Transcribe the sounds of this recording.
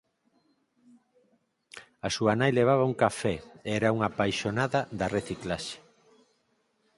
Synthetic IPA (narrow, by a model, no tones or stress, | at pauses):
ɐsuanajleβ̞aβɐuŋkafɛeɛɾauŋapajʃonaðɐðɐreθiklaʃe̥